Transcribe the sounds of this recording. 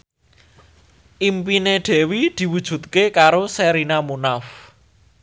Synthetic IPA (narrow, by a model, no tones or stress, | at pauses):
ʔimpineɖ̪̥ɛ̤wid̪̥i̤wud̥ʒ̥ṳt̪̚kekaɾosɛɾinamunaf